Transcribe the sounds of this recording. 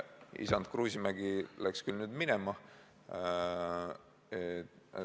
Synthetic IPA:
ḭsɑnd̪̥kruːsimæɡ̥ilækskylnyːd̪minemɑ | et̪

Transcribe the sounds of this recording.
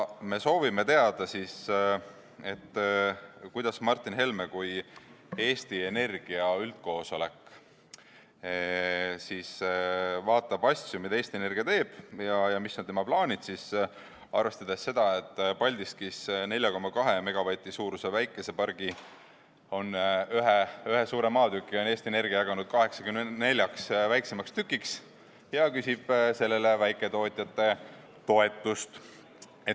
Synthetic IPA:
me̞so̞ːvime̞t̪e̞ɑd̪̥ɑsis | e̞t̪ː | kujd̪̥ɑsmɑrt̪ːˑinɦe̞lmekuj | e̞ːsʲt̪ie̞ne̞rɡ̥iɑyld̪̥̚ko̞ːso̞le̞kːˑ | sis | vɑːt̪ːˑɑb̥ɑsʲjumid̪ɑeːsʲt̪ie̞ne̞rɡiɑt̪e̞ːb̥jɑjɑmisnɑnt̪e̞mɑplɑːnʲid̪̥sis | ɑ̰rve̞st̪ɑd̪̥e̞sːe̞d̪̥ɑe̞t̪ːˑpɑlʲd̪ist̪kisne̞lʲjɑko̞mːɑkɑɦe̞me̞ɡ̥ɑvɑt̪ʲisuːɾusevæjkːˑe̞se̞pɑrɡ̥i | o̞nyɦeyɦesuːɾemɑːt̪ykːˑio̞neːst̪iene̞rɡiɑjɑɡɑnud̪̥̚kɑɦe̞ksɑ̥kymne̞lʲjɑksvæjksemɑkst̪ykːˑiks | jɑkysʲib̥se̞lːe̞le̞væjkːˑet̪o̞ːt̪ʲˑjɑt̪ːˑe̞ | t̪o̞e̞t̪ːˑust̪ | e

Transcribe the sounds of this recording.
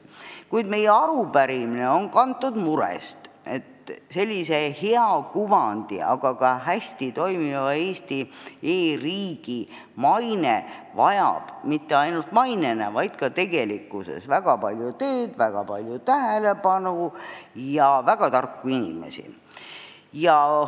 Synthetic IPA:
kujd̪̥me̞jeɑɾupæɾimineo̞nkɑnt̪ːˑud̪muɾḛst̪ | e̞t̪se̞lʲːise̞he̞ɑkuvɑnd̪̥ḭɑ̰ɡ̥ɑkɑɦæsʲt̪it̪o̞jmivɑe̞ːst̪ieːriːɡ̥i | mɑjnevɑ̰jɑ̰b̥mit̪ːe̞ɑjnult̪mɑjnenevɑjd̪̥kɑt̪e̞ɡe̞likːˑuse̞̰svæɡ̥ɑpɑlʲjut̪øːd̪̥væɡ̥ɑpɑlʲjut̪æɦele̞pɑnujɑvæɡ̥ɑt̪ɑrkːuinḭmḛsḭ | jɑ

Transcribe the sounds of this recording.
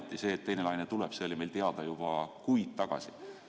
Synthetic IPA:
t̪ːˑise̞ːt̪ːe̞jne̞lɑjnet̪uleb̥seolime̞jlt̪e̞ɑd̪̥ɑjub̥ɑkujd̪̥̚t̪ɑɡ̥ɑ̰si̥

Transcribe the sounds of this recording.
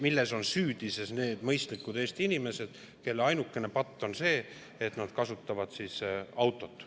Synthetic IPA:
milːe̞so̞nsyːd̪̥ise̞sne̞ːd̪̥mɤjst̪likːˑud̪e̞ːst̪iinime̞se̞d̪̥ | ke̞lːeɑjnukːˑe̞ne̞pɑt̪ˑːo̞nse̞ː | et̪nɑd̪̥kɑsut̪ːɑvɑd̪̥sisɑwt̪ːˑo̞t̪ːˑ

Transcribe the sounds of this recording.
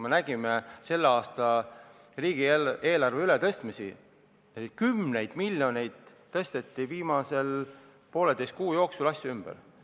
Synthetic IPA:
menæɡ̥imese̞lːeɑːst̪ɑ | riːɡ̥ieːlɑrveylet̪ɤ̞st̪misḭ | ekymne̞jd̪̥miljo̞ne̞jd̪̥ | t̪ːɤst̪e̞t̪ːiviːmɑse̞l | po̞ːled̪ejst̪̚kuːjo̞ːksulɑsʲjuymb̥ḛɾ

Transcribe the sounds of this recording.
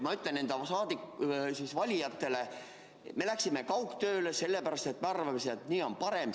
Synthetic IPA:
mɑyt̪lene̞nd̪̥ɑsɑːd̪ikːsisvɑlʲijɑt̪ːe̞le | me̞læksime̞kɑwkt̪ø̞ːlese̞lːepæɾɑst̪e̞t̪meɑrvɑmesiet̪niːo̞mpɑɾe̞m

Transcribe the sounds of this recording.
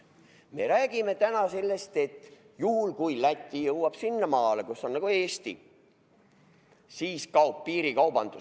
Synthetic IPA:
me̞̰ɾæːɡ̥ime̞t̪ænɑse̞lːe̞st̪e̞t̪ːˑ | juhulkujlæt̪ʲːˑijɤwːɑb̥sinːɑmɑːlekusːo̞nnːɑɡ̥ue̞ːst̪ḭ | siːskɑuppiːɾikɑwb̥ɑnd̪̥u

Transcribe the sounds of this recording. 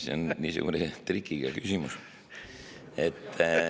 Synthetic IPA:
seonniːsṵɡ̥unet̪ɾikːiɡ̥ɑkysʲimus | et̪ː

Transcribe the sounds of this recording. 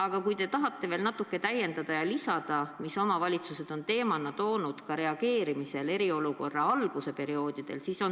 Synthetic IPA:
ɑɡ̥ɑkujd̪e̞t̪ɑɦɑt̪ˑːe̞ve̞ːlnɑt̪ːˑukːˑe̞t̪æjːe̞nd̪̥ɑd̪̥ɑjɑlisɑd̪̥ɑmiso̞mɑvɑlʲit̪suse̞d̪̥o̞nt̪e̞ːmɑnːɑt̪o̞ːnud̪̥kɑɾe̞ɑɡ̥e̞ːɾimise̞le̞ɾio̞luko̞rːɑɑlɡ̥use̞pe̞ɾio̞ːd̪̥id̪̥e̞̰lsiso̞n

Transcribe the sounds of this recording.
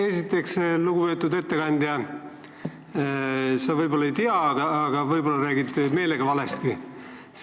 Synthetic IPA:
e̞sit̪ːˑe̞ksluɡuvø̞ːt̪ːˑud̪e̞t̪ːe̞kɑnʲd̪̥ʲjɑ | sɑvɤjbo̞lːɑejt̪iɑɡ̥ɑːɡ̥ɑvɤjbo̞lːɑɾæːɡid̪me̞ːle̞ɡ̥ɑvɑle̞st̪i

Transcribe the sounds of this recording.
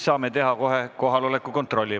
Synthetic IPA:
sɑːmet̪e̞ɦɑko̞ɦeko̞ɦɑlo̞lekːˑuko̞nt̪ro̞lʲːi

